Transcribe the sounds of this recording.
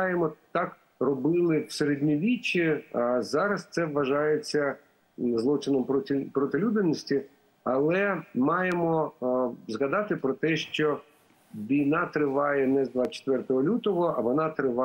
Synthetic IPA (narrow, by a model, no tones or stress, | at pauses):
jemɔt̪ɑk | rɔbɪlˠɪwseɾedʲnʲiʋʲit͡ʃːizɑɾɐst̪sɛʋːɐʒɑjet͡sʲːɐ | zlˠɔt͡ʃɪnɔmpʲpɾɔt̪ɪlʲud̪ɪnʲːɔsʲtʲi | ɐlˠɛmɑjemɔ | zɣɐd̪ɑt̪ɪpɾɔt̪ɛʃt͡ʃɔ | ʋʲijnɑt̪ɾɪʋɑjɛnɛzd̪ʋat͡ʃe̥t̪ʋɛrt̪ɔɦɔlʲut̪ɔɦɔɐʋɔnɑt̪ɾɪʋɑ